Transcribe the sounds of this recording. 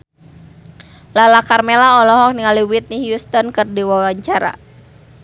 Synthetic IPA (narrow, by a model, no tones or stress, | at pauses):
lalakarmelaɔlɔɦɔk̚niŋaliwit̪̚nihjust̪ɔnkɨrdiwawaɲt͡ʃaɾa̰